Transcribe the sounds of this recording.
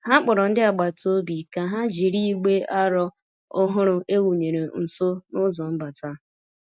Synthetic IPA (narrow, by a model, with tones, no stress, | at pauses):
ha˦k͡pɔ˨ɾɔ˨n̩˦dɪ˦a˨ɡ͡ba˨to˦bi˨ka˨ɦa˦d͡ʒi˨ɾi˦ɡ͡be˦ʔa˦ɾɔ˦ | ʊ˦ɦʊ˦ɾʊ˦e˦wu˨ɲe˨ɾe˨n̩˨so˦nʊ˦zɔ˨m̩˦ba˨ta˦